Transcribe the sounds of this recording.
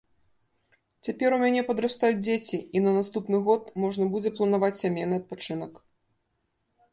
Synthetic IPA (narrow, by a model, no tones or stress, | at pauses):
t͡sʲapʲɛɾumʲanʲɛpɐd̪ɾast̪ajud͡zʲd͡zʲet͡sʲiinɐnast̪upnɨɣɔt̪mɔʐnɐbud͡zʲɛplˠɐnavat͡sʲsʲamʲejnɨɐt̪̚pat͡ʂɨnɐk